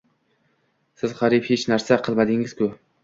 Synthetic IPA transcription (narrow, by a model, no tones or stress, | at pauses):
sɪz̥ʁɑɾɪphet͡ʃnaɾsaqʰɨlˠmad̪ɪŋɪz̥kʰʊ